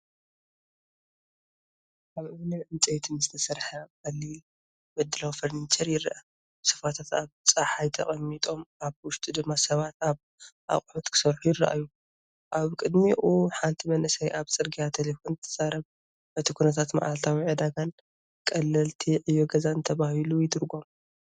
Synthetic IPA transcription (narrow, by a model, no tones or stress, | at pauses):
kaβɨwɨnɨmʕɨnt͡sʼɐjt̪ʰɨnɨzɨ̥t̪ʰɐsɐɾħakʼɐlːil | mɨd̪ːɨlawfɐɾnit͡ʃʰʼɐɾjɪrʔa | bsɐ̥fat̪ʰat̪aβt͡sʼaħajt̪ʰɐ̰χʼɐmːit̪ʼo̞mʔaβwʊʃt̪ʼud̪ɨmːasɐβat̪aβ | ʔa̰χʼħut̪kʰɨ̥sɐɾħujɪrːɐʔa̰jːu | ʔaβkʼɨd̪miʔuħant̪ʰimɐnʔɨsɐjʔaβt͡sʼɨɾɡijat̪ʰelefo̞nt̪ʰɐ̥z̥aɾɐβ | b̥ɐt̪ʰikʰunɐt̪ʰat̪ma̰ʔalt̪ʰawiʕɨd̪aɡan | kʼɐlːɐlt̪ʰiʕɨjːoɡɐzant̪ʰɐβahilujɪd̪ɨɾɡo̞m